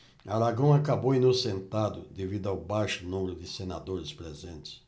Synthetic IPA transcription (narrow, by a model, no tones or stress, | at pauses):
aɾaɡɐ̃w̃akabowinosẽnt̪ad̪ʊ̰d̪evid̪ʊawbajʃʊnũmeɾʊd̪ɪsena̰d̪oɾɪspɾezẽnt̪ɪ̥s